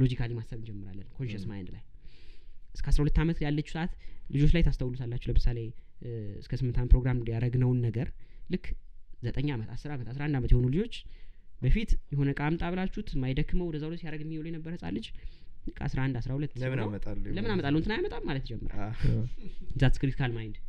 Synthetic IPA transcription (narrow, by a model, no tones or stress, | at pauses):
lo̞d͡ʒikʰalimasaβɨnd͡ʒɛmːɨɾa̰lːənkʰo̞nʃesmajnd̪la̰j | ʔɨskʰəasɾahulət̪ːamət̪jalːət͡ʃːu̥səʔat̪lɨd͡ʒo̞t͡ʃlajt̪ʰast̪ʰəwlut̪ʰalːat͡ʃːɛləmɨsalej | ɨskʰəsɨmːɨnt̪ʰanpʰɾo̞ɡɾamjaɾəɡnəwnːəɡəɾlɨkːzət̪ʼəɲːamət̪asɨɾamət̪asɾaand̪amət̪jɛhonulɨd͡ʒo̞t͡ʃːbəfit̪jɛho̞nəkʼamt̪ʼaβlat͡ʃːut̪majd̪əkːɨməwd̪əzawlosjaɾəɡɛmːiwolojɛnəbːəɾhəsʼa̰lːət͡ʃːlɨkʰːa̰sɾahɨnd̪asɾahulət̪ːəmɨnmət̪ʼalːləmɨnamət̪ʼalːəwnt̪ʰɨnajamət̪ʼammalət̪d͡ʒɛmːəɾa̰ | ɨnzat̪ɨ̥kɾit̪kʰalmajɪnd̪